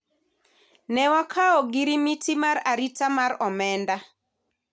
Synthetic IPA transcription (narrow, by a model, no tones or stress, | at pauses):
nɛwakʰaɔɡiɾimitimaɾaɾitamaɾɔmɛnda